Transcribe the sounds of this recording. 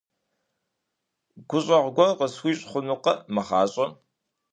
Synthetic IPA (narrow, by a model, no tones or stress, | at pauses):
ɡ̥ʷʊɕʼɐʁɡʷɔqəswʷiɕʼχʷʊnuqɐmɐχɑːɕʼɐ